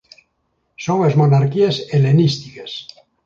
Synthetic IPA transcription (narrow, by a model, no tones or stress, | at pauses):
sõŋezmonaɾkieselenist̪ikes